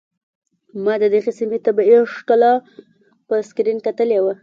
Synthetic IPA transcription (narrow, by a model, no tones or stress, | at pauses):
mɑd̪əd̪əɣesimet̪abeʂk̪alɑ | pəskɾinkat̪əlewa